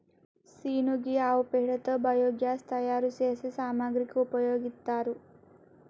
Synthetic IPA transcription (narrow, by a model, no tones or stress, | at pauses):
siːnuɡiaːʋpeɭɐt̪ɐbɐjoːɡjaːst̪ɐjaːɾuseːsesaːmaːɡɾikuupɐjoːɡit̪ːaːɾu